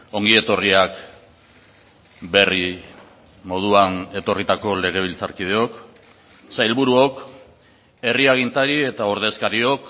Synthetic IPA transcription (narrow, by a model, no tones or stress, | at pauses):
o̞ŋɡie̞t̪o̞riak | be̞ri | mo̞ð̞uane̞t̪o̞rit̪ako̞le̞ɣ̞e̞β̞ilt͡sa̰ɾkið̞eo̞k | sajlβuɾuo̞k | e̞riaɣint̪aɾie̞t̪aoɾðe̞skaɾio̞k